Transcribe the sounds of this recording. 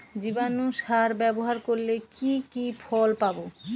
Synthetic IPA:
d͡ʑibanuʃaɾbɛboɦaɾkoɾlekikifʰɔlpabo

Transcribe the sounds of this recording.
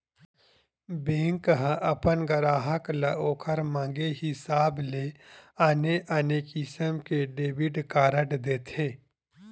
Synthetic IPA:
bẽːŋkɦʔɐpənɡɐɾaːɦəklɐʔoːkʰəɾmãːŋɡeɦɪsaːbleːaneʔɐneːkisəmkeɖeːbɪɖkaːɾəʈd̪eːt̪ʰeː

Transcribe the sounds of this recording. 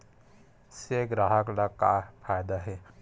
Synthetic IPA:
seɡɾaɦəklakapʰaːjd̪aɦɛ

